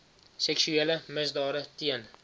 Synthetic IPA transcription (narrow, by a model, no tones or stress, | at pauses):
seksuelɪmɪzd̪ɒɾɪt̪ʰien